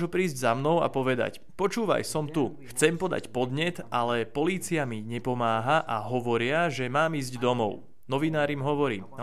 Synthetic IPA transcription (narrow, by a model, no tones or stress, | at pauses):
ʒupɾiːzɟzamnɔʊa̰pɔʋɛd̪a̰c | pɔt͡ʃuːʋa̰jsɔmt̪uxt͡sɛmpɔd̪a̰cpɔd̪ɲɛt̪alɛpɔliːt͡siamiɲɛpɔmaːɦaʔaɦɔʋɔɾɪaʒɛmaːmiːzɟd̪ɔmɔ̰ʊ | nɔʋinaːɾimɦɔʋɔɾḭː